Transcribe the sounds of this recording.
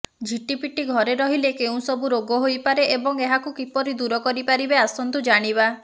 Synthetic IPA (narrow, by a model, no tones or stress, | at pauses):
d͡ʒʱiʈipiʈiɡʱɔɾeɾɔɦilekeũsɔbuɾoɡɔɦojpaɾeʔebɔŋeɦakukipɔɾid̪uɾɔkɔɾipaɾibeasɔnt̪ud͡ʒaɽ̃iβa